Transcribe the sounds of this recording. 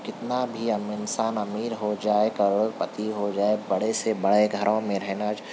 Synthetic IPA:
kɪt̪nabʱiɐmɪnsaːnɐmiːɾɦod͡ʒaːekɐɾpɐt̪iɦod͡ʒaːebɐɽesebɐɽeɡʱɐɾõmẽɾɛɦnat͡ʃ

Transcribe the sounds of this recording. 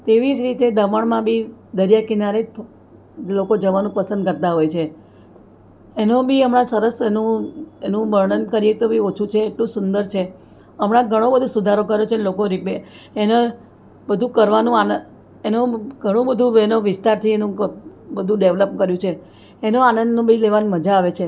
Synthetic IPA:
t̪eʋid͡ʒɾit̪ed̪əməɳmãbʱid̪əɾjakinaɾek | lokod͡ʒəʋanũpəsə̃nd̪kəɾt̪aɦojt͡ʃʰe | enõbʱiəmɽãsəɾəsenũenũməɾɳənkəɾijet̪obʱiot͡ʃʰut͡ʃʰeːʈlũsʊnd̪əɾt͡ʃʰe | əmɽãɡʱəɽ̃õbəd̪ʱusud̪ʱaɾokəɾot͡ʃʰenlokoɾipeːne | bəd̪ʱũkəɾʋanũanə | enoɡʱəɽ̃ũbəd̪ʱũenoʋɪst̪aɾt̪ʰienũbəd̪ʱũɖeʋləpkəɾjũt͡ʃʰeː | noanənd̪nõbʱileʋanməd͡ʒaːʋet͡ʃʰe

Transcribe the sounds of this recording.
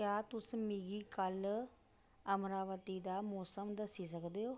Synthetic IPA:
kjaːt̪ʊsmiɡiːkəl | əmɾaːʋət̪iːd̪aːmɔːsəmd̪əsiːsəkd̪eːoː

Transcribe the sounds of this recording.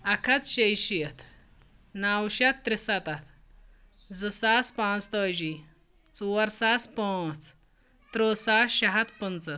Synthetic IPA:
akʰat͡sɕəjɕijət̪ʰ | nawɕat̪ːɾisat̪at̪ | d͡zəsaspãt͡st̪əd͡ʑi | t͡suwəɾsaspə̃t͡s | t̪ɾosaɕaɦat̪pənt͡sə

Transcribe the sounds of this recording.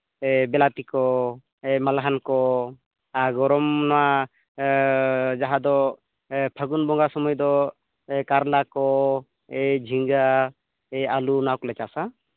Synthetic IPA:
ɛbɛlat̪ikɔ | ɛmalaɦankɔ | aɡɔɾɔmnɔwa | d͡ʒaɦad̪ɔ | pʰəɡunbɔŋɡasɔmɔjd̪ɔ | kaɾlakɔ | ɛd͡ʒʱiŋɡa | ɛalunakɔlɛt͡ʃasa

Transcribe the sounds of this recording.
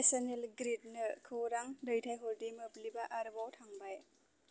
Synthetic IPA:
esɔnelɡɾit̚nɯkʰɯɾaŋdɯjtʰajɦɔldimɯplibaʔaɾbawtʰaŋbaj

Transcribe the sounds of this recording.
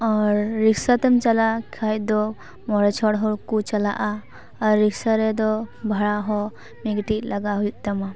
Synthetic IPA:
ɔɾːikʰsat̪ɛmt͡ʃalakʰajd̪ɔ | mɔɾɛt͡ʃʰɔɽɦɔkut͡ʃala̰ʔa | aɾːiksaɾɛd̪ɔbʱaɭaɦɔ | miɡʈilaɡaɦɔjut̪ama

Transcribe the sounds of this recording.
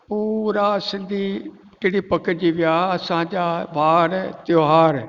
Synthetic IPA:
puːɾaːsɪnd̪iː | d͡ʒeːɽiːpəkd͡ʒiʋjaːəsãːd͡ʒaːʋaːɾɛt̪joːɦaːɾ

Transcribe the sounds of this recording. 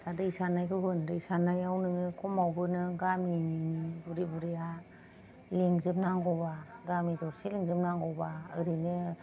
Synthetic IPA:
tʰadɯisanajkɯɦɯndɯisanajawnɯŋɯkʰɔmawbɯnɯɡaminibuɾibuɾija | liŋzɯp̚naŋɡɔbaɡamidɔɾsiliŋzɯp̚naŋɡɔbaɯɾinɯ

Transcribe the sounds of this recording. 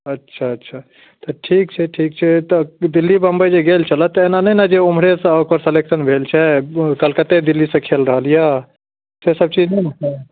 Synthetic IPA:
ətːʃʰaətːʃʰa | t̪əʈʰik̚t͡ʃʰɛʈʰik̚t͡ʃʰɛt̪ɔd̪ilːibə̃mbəjd͡ʒeɡelt͡ʃʰələt̪ːenanənad͡ʒeumɾesə̃okəɾseleksənbʱelt͡ʃʰɛkəlkət̪ed̪ilːisə̃kʰelɾəɦəlja | sesəb̚t͡ʃid͡ʒnəjɾəkə

